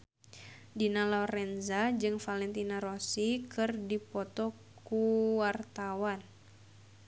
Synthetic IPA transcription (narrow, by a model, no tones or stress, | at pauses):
dinalɔrɛnzad͡ʒɨŋfalɛnt̪inaɾosikɨrdipɔt̪ɔ | kkuwart̪awan